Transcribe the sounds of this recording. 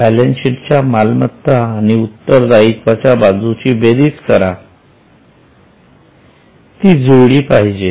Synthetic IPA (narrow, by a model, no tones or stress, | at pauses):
bɛlenɕint͡ɕjamalmət̪ːaːñiut̪ːəɾd̪aitʋat͡ɕabad͡zut͡ɕiːbed̪iːt͡skəɾa | t̪iːd͡zoɽiːpaɦid͡ʑe